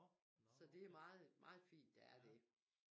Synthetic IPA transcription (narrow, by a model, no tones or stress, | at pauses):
sɒ̽d̥e̝æɐmɑ̈ːð̩ˠmɑ̈ːð̩ˠfḭːnd̥ɑæɐd̥e̝